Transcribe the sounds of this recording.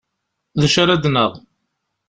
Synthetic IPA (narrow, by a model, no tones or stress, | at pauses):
ðəʃaɾæd̪nəʁ